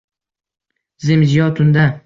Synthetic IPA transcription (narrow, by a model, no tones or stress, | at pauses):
zɪmzɪjɒt̪ʰʊnd̪a